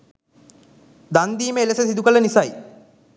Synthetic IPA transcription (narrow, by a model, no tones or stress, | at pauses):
d̪and̪iːməelesəsid̪ukələnisaj